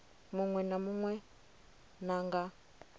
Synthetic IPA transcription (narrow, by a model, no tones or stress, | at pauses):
muŋwɛnamuŋwɛ | naŋɡa